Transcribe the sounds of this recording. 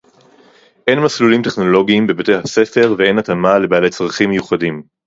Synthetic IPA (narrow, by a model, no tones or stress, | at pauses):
ʔe̞nmaslulimte̞χno̞lo̞ɡiːmbebete̞jhase̞fe̞ʁvee̞natamale̞baːle̞t͡sʁaχimːejuχadim